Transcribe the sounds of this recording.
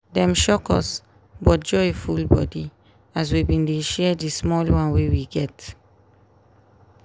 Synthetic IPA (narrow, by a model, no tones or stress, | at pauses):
dɛ̃mʃɔkɔ̰s | bɔt̚d͡ʒɔifulbɔ̰di | as̬wibĩndeʃɛdismɔlwãnwewiɡɛt